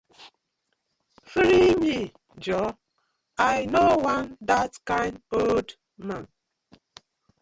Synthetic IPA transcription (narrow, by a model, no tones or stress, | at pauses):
fɾimi | d͡ʒɔ | ajnowandatkãɪ̃ndold | mãn